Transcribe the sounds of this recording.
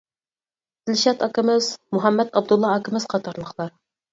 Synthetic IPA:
t̪ɘ̆lʲɕæt̪ɑkɘ̆mɘzmuɦæmːæt̪ɒb̚d̪ŭlˠːɑːkɘ̆mɘzqɑt̪ɑɾlˠɤ̆qlˠɑɾ

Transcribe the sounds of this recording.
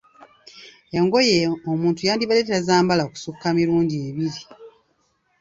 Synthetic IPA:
eŋɡo̞jeomuːntujaːndiβaleːt̬eɾazaːmbalaoku̥sukːamiɾuːndieːβiɾi

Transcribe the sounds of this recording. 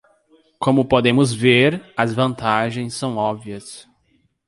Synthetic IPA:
kõmʊpod̪ẽmʊzveɾɐzvɐ̃nt̪aʒẽj̃sːɐ̃w̃ɔbviɐs

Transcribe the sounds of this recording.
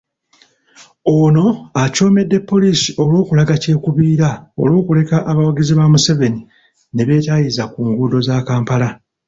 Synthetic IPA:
ono̞aco̞ːme̞dːe̞pːo̞lisi̥o̞lwo̞ːkulaɡace̞ːkuβiːɾao̞̰lwo̞ːkule̞kaʔaβawaɡiziβamuse̞ve̞ni | ne̞βe̞tajizakuːŋɡuːdo̞zaːkaːmpala

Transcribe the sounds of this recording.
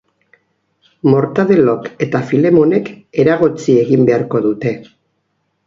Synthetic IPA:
mo̞ɾt̪aðe̞lo̞ke̞t̪afile̞mo̞ne̞ke̞ɾaɣ̞ot͡sie̞ɣimbe̞aɾko̞ðut̪e̞

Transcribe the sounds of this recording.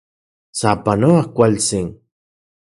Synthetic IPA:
sapanoakʷalsɪŋ

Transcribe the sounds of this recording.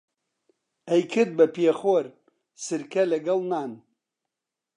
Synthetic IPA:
ɐjkʰɨd̪̚bɐpieχoɾ | sɨɾkʰɐlɐɡɐlˠnaːn

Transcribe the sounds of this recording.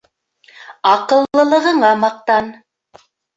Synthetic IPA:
ɑqɤ̆lˠːɤ̆lˠɤ̆ʁɤ̆ɴɑmɑq̚t̪ɑn

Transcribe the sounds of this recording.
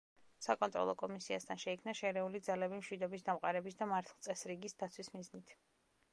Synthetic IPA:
sakʼɔnt̪ʼɾɔ̰lˠɔkʼɔmisiast̪ʰanʃɛikʰmnaʃɛɾɛulid̪zalɛbimʃwid̪ɔbis̬d̪amqʼaɾɛbisd̪amaɾt̪ʰlˠsʼɛsɾiɡisd̪at̪sʰwismiznit̪ʰ

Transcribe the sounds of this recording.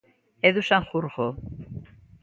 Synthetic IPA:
eðusaŋxuɾɣo

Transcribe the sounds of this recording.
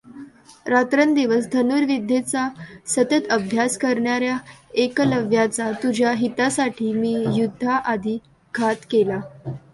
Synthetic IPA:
ɾat̪ɾənd̪iʋəsd̪ʱənuɾʋid̪ʱːet͡sasət̪ət̪əbʱjaskəɾɳaɾjaekləʋjat͡sat̪ud͡ʑʱjaɦit̪asaʈʰiːmiːjud̪ʱːaʔad̪ʱiː | ɡʱat̪kela

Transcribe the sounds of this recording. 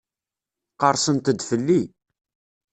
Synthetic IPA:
qəɾˤsənt̪əd̪fəlːi

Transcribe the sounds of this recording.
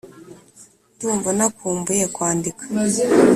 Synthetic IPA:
ntuːɱvanakuːmbujekwaːndikḁ

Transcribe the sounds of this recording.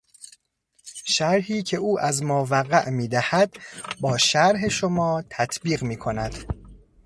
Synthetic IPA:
ʃæɾɦiːcʰe̞ʔuːʔæzmoːvæɣæʔmiːd̪æhæd̪bɒːʃæɾɦe̞ʃomɒːt̪ʰæt̪ʰbiːɣmiːkʰo̞næd̪̥

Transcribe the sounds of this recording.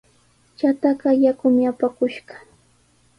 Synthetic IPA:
t͡ʃat̪aɢɑjakʊmɪapakʊʃɢɑ̥

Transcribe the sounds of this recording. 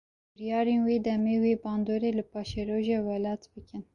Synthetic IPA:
bɨɾjɑːɾeːnweːd̪ɛmeːweːbɑːnd̪oːɾeːlɨpɑːʃɛɾoːʒeːwɛlɑːt̪bɨkɨn

